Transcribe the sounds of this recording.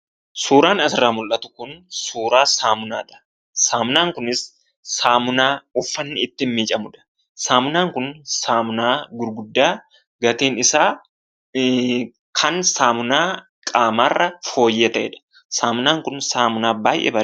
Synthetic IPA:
suːɾaːnɐsɪrːaːmʊlʔɐt̪ʊ̥kʊnsuːɾaːsaːmʊna̰ːᶑɐ̥ | saːmʊnaːŋkʊnɪsː | aːmʊnaːʊfːɐnːɪɪt̪ːɪmmiːt͡ʃʼɐmʊᶑɐ̥ | saːmʊnaːŋkʊnsaːmʊnaːɡʊɾɡʊd̪ːaː | ɡɐt̪iːnɪsaː | kʰɐnsaːmʊnaː | kkʼaːmaːrːɐfo̞ːjːɛt̪ɐʔɛ̰ᶑɐ̥ | saːmʊnaːŋkʊnsaːmʊnaːbaːjʔɛ̰ːbɐ

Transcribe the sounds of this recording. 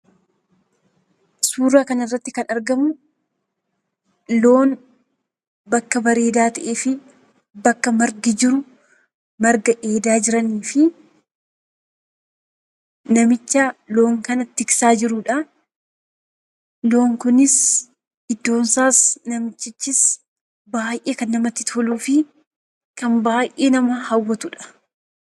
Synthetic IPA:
suːrːaːkɐnɪrːɐt̪ːɪkɐnɐɾɡɐmʊ | lo̞ːn | bɐkːɐbɐɾe̞ːd̪aːt̪ɐʔe̞ːfɪ | bɐkːɐmɐɾɡɪd͡ʒɪɾʊ | mɐɾɡɐʔeːd̪aːd͡ʒɪɾɐniːfɪ | nɐmɪt͡ʃːɐlo̞ːŋkɐnɐt̪ːɪksaːd͡ʒɪɾʊᶑɐ | loːŋkʊnɪs | hɪd̪ːo̞ːnsaːsnɐmɪt͡ʃːɪt͡ʃːɪs | baːjʔeːkɐnːɐmɐt̪ːɪt̪ɔluːfɪ | kɐnbaːjʔeːnɐmɐhɐwːɐt̪ʊᶑɐ̥

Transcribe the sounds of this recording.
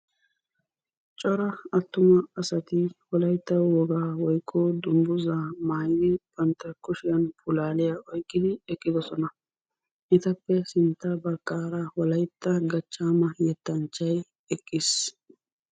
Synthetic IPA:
t͡ʃʼɔɾɐɐt̪ːʊmɐɐsɐt̪ɪhɔlɐjt̪ːɐwɔɡaːwɔjkʼːɔd̪ʊmbʊzaːmaːjɪd̪ɪb̥ɐnt̪ːɐkʊʃɪjɐnpʊlaːlɪjaʔɔjkʼːɪd̪ɪɛkʼːɪd̪ɔsɔnɐ | ʔɪt̪ɐpːɛsɪnt̪ːɐbɐkʼːaːɾɐhɔlɐjt̪ːɐɡɐt͡ʃːaːmɐjɛt̪ːɐnt͡ʃːɐj | ɛkʼːɪs

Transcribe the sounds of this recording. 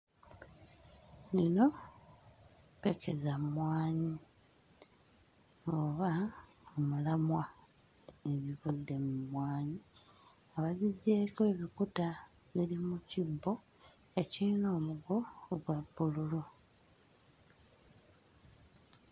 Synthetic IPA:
nino̞ | peke̞zamwaːɲi | oβaomulamwa | eβiβudːe̞mumwaːɲi | aβaziɟːe̞ːkoeβikuta | βilimucibːo̞ | e̞cino̞ːmuɡo̞ːɡwabːululu

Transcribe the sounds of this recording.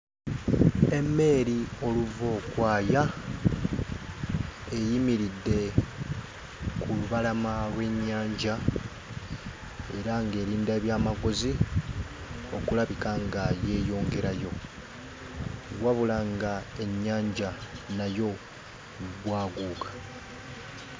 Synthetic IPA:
emːe̞ːɾio̞luvo̞ːkwaːja | e̞jimiɾidːe̞ | kuluβalamalwe̞ɲːaːɲɟa | e̞ɾaŋɡe̞ːɾiːndaːβjaːmaɡo̞zi | o̞kulaβikaŋɡaje̞ːjo̞ːŋɡe̞ɾajo̞ | βwaβulaŋɡae̞ɲːaːɲɟanajo̞ | βwaːɡuːkḁ

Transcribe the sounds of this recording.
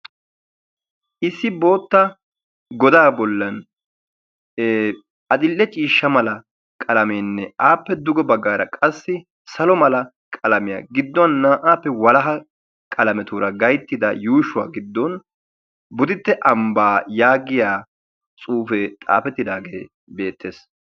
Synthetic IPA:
ʔɪsːɪbo̞ːt̪ːɐ | ɡɔd̪aːbɔlːɐn | ɐd̪ɪlːɛt͡ʃʼiːʃːɐmɐlɐ | kʼɐlɐmeːnːɛʔaːpːɛd̪ʊɡɔbɐɡːaːɾɐkʼɐsːɪ | sɐlɔmɐlɐ | kʼɐlɐmɪja̰ːɡɪd̪ːɔnːaːʔaːpːɛwɐlɐɦɐ | kʼɐlɐmɛt̪uːɾɐɡɐjt̪ːɪd̪ɐjuːʃʊwa̰ːɡɪd̪ːɔn | bʊd̪ɪt̪ːɛʔɐmbaːjaːɡɪjaː | t͡sʼuːfɛt̪ʼa̰ːfɛt̪ːɪd̪aːɡeː | be̞ːt̪ːeːs

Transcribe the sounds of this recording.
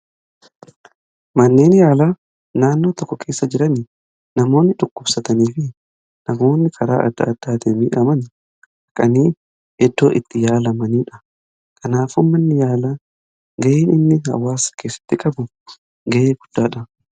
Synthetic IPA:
mɐnːe̞ːnjaːlaː | naːnːoːt̪ɔkːɔkʰe̞ːsːɐd͡ʒɪɾɐnɪ | nɐmo̞ːnːɪᶑʊkːʊbsɐt̪ɐniːfɪ | nɐmo̞ːnːɪkʰɐɾa̰ːʔɐ̰d̪ːɐ̰ɐd̪̥ːaːt̪ɪmiːʔɐmɐn | hɐkʼɐniː | ɛd̪ːo̞ːʔɪt̪ːɪjaːlɐmɐniːᶑɐ̥ | kʰʼɐnaːfʊmmːɐnːɪjaːlaː | ɡɐjeːnɪnːɪhɐ̰wːaːskeːsːɐ̥t̪ːɪkʼɐbʊ | ɡeʔeːɡʊd̪̥ːaːᶑɐ

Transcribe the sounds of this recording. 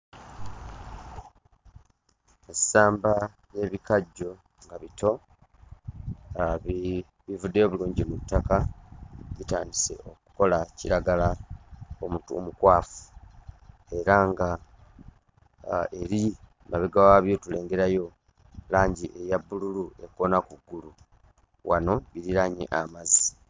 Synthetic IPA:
esaːmba | je̞βikaɟːo̞ | ŋɡaβito̞ | β | βivudːeoβuluːɲɟimutːaka | βita̰ːndise̞̰o̞ku̥ko̞laciɾaɡala | omutuo̰mukwaːfu̥ | e̞ɾaŋɡa | e̞ɾi | maβiɡawaβjo̞tule̞ːŋɡe̞ɾajo̞ | laːɲɟiʔe̞jabːululue̞ko̞nakuɡːulu | wano̞βiɾiɾaɲḛʔamazi̥

